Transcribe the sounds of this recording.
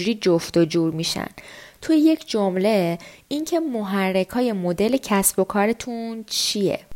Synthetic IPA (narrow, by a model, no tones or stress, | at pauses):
uɾiːd͡ʒoft̪od͡ʒuɾmiʃæ̰nt̪ʰujeje̞cʰd͡ʒomle̞incʰe̞moɦærːe̞kʰhɒːje̞mo̞d̪e̞le̞cʰæsb̥o̞kʰɒːɾe̞t̪ʰunt͡ʃʰijḛ